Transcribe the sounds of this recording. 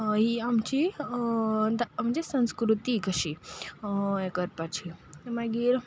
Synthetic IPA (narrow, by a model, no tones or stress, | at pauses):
ɦiamt͡ɕi | d̪m̤d͡ʑesə̃w̃skɾut̪ikəɕi | ekəɾpat͡ɕʰimaɡiːɾ